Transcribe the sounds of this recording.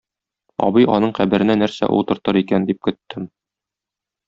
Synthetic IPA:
ɒ̰bɤjɒnɤɴqæbɘ̆ɾɘ̆nænæɾsæ̰ʔṵlˠt̪ɤ̆ɾt̪ɤɾikænd̪ip̚kɵ̆t̪ːɘm

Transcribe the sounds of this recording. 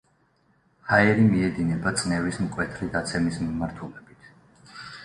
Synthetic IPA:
haɛɾimiɛd̪inɛbat̪sʼnɛvismkʼwɛt̪ʰɾid̪at̪sʰɛmismimaɾt̪ʰulɛbit̪ʰ

